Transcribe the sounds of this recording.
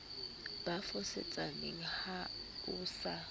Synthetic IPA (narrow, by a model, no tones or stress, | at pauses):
b̥afʊsɛ̰t͡sʼaneŋ̩ha | ʊːsa